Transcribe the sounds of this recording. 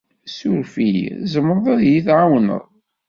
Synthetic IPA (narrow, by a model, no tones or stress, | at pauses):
suɾfizəmːɾˤðˤæðjiθʕawnə̰ðˤ